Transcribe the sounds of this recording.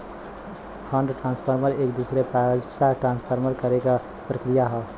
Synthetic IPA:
pʰə̃ɳɖʈɾãːnspʰəɾməɾeːkd̪usɾepɾad͡ʒsaʈɾãːnspʰəɾməɾkəɾeka | pɾəkɾijaɦɛ

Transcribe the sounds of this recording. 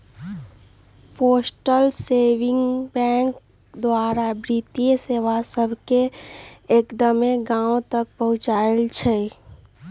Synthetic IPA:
poːsʈəlseːʋɪ̃ŋɡbɛ̃ːŋk | d̪waːɾabɾit̪ijeseːʋasəbʱkeː | kd̪əmeɡãːõt̪ək̚pəɦʊt͡ʃaːelt͡ʃʰɛ

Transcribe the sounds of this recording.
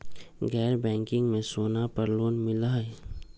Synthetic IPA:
ɡɛːɾbɛ̃ːŋkɪ̃ŋɡmẽsoːnapəɾloːnmɪlaɛ

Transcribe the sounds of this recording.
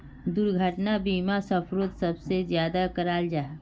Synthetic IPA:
d̪ʊɾɡʱəʈnabiːmasəpʰɾot̪sɐbsezjaːd̪akəɾaːld͡ʒaː

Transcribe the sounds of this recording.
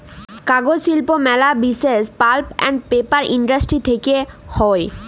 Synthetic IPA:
kaɡod͡ʑʃilpomɛlabisespalpɛ̰ɳɖpepaɾʔiɳɖasʈɾit̪ʰekehɔe

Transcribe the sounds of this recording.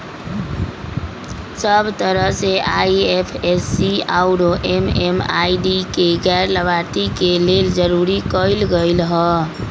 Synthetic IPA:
səbt̪əɾəɦseaiepʰesːiaʊɾoʔemema̰iɖikeɡɛɾləbaɾt̪ikeleld͡ʒəɾuɾikəɪlɡəɪlɦɔ

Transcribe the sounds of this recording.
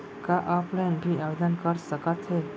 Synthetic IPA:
kaʔaplɛ̃nbʱiaʋed̪ənkəɾsəkat̪ʰe

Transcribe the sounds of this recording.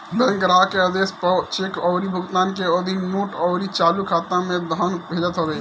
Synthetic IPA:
b̪əŋkɾakeəd̪espt͡ʃekɔʊɾibʱuɡt̪ankeəd̪ʱinoʈɔʊɾit͡ʃalukʰat̪amed̪ʱənbʱed͡ʒət̪ɦobɛ

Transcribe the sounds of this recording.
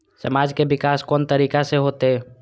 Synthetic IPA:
sə̰maːd͡ʒkebɪkaːskɔːnt̪əɾiːkaseɦoːt̪eɛ

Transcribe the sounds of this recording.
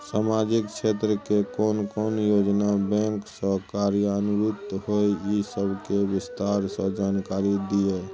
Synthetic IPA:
saːmad͡ʒɪkt͡ʃʰeːt̪ɾəkekɔːnkɔːnjoːd͡ʒnabɛ̃ːŋksəɦkaːɾjəənʊɾʊt̪ɦoejisəbʱkewɪst̪aːɾsə̃d͡ʒaːnkaːɾid̪ie

